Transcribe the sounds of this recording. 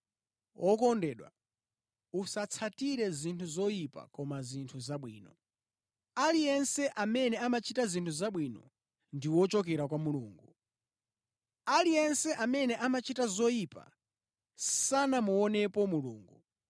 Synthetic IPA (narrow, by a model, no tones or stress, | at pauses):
wɔkɔndɛːɗwa̰ | usat͡sʰatiɾɛzintʰuzɔjipa̰kɔmazintʰuzaɓwiːnɔ | alijɛnsɛʔamɛnɛamat͡ʃʰitazintʰuzaɓwinɔ̰ | ndiwɔt͡ʃɔk̬ɛɾakwamulṵːŋɡu | alijɛnsɛʔamɛnɛʔamat͡ʃʰitazɔjipa̰ | sanamuɔnɛpɔmulṵːŋɡu